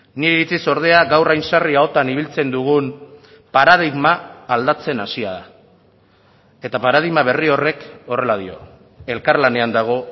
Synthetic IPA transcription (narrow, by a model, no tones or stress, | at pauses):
niɾiɾit͡siso̞ɾð̞e̞aɡawrajnsariao̞t̪aniβ̞ilt͡se̞nd̪uɣ̞un | paɾaðiɣmaːld̪at͡se̞nasiaða | e̞t̪apaɾað̞iɣmaβ̞e̞rio̞re̞ko̞re̞lað̞io̞̰ | e̞lkarlane̞and̪aɣ̞o̞